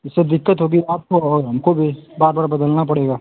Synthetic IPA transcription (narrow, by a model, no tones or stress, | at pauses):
ɪsːed̪ɪkːət̪ɦoɡiaːp̚koɔːɾɦɐmkobʱibaːɾbaːɾbɐd̪əlnapɐɽeːɡaː